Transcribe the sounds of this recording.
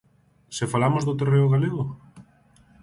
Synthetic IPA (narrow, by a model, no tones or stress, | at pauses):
sefalamozðot̪ereoɣaleɣo